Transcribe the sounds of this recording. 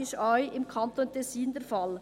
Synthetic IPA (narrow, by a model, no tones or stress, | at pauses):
ɪʃɔʏɪmkʰɑnt̪oːntʰɛsiːndɛɾfɑl